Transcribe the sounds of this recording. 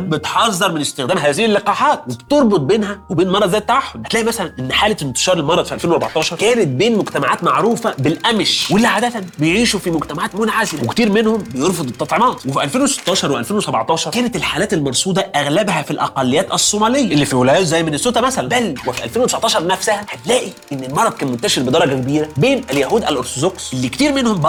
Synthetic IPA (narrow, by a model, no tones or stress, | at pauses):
bet̪ħɑzˤːɑɾˤmenest̪ɪxd̪æːmɦæːzɪhɪlːeqɑːħɑːt̪webt̪oɾˤbot̪̚ˤbeːnhæwebeːnmɑɾˤɑd̪zæːjet̪ːaʕaħːod̪æt̪læːʔimæsælænʔenːħaːleent̪e̥ʃɑːɾˤelmɑɾˤɑd̪ˤfiʔælfeːnwæɾbɑʕt̪ɑːʃɑɾˤkæːnet̪̚beːnmoɡt̪æmaʕaːt̪maʕɾuːfæbelʔæmʃwelːæʕaːd̪æt̪ænbejʕiːʃufimoɡt̪æmaʕaːt̪mot̪aʕaːzɪlæwekt̪iːɾmenhombejeɾˤfod̪ˤet̪ˤːɑt̪ˤʕemɑːt̪ˤwefiʔælfeːnwese̥t̪ːɑːʃɑɾˤweʔæ̰lfeːnwesæbɑʕt̪ˤɑːʃɑɾˤkæːnæt̪elħaːlæːt̪elmɑɾˤsˤuːd̪ɑʔæɣlæbhæfilʔɑ̰qɑlːejːæːt̪ʔæsˤːomæːlejːæʔelːifiwelæjæːt̪zæjːmenesːot̪ˤɑmæsælænbælwefiʔælfeːnwet̪esɑʕt̪ɑːʃɑɾˤnæfsæhæhæt̪læːʔiʔenːelmɑɾˤɑd̪̚ˤkæːnmont̪æʃeɾbed̪ɑɾˤɑɡækebiːɾæbeːnæljæhuːd̪ʔælʔoɾt̪od̪oksʔelːikt̪iːɾmenhomb